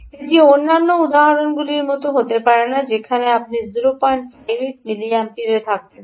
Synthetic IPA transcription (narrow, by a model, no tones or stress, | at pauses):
edieonːanːoud̪aɦaɾonɡuliɾmɔt̪oɦot̪epaɾenad͡ʑekʰaneap̚nizuɾopaɳʈpajɾit̚miliampiɾet̪ʰak̚ben